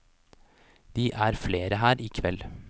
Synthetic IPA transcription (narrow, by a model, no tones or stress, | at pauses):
d̪̥iːʔæːɾfleːɾəɦæːɾiːkʰʋɛl